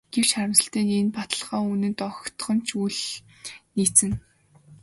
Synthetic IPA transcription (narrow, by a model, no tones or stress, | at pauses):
ɡ̥ewt͡ɕχaɾə̆msə̆ɬt̪eːnenpat̪ə̆ɮʁaːunɘ̆nt̪ɔxt̪χɞ̆n̥t͡ɕʰuɮ | niːt͡sɘ̆n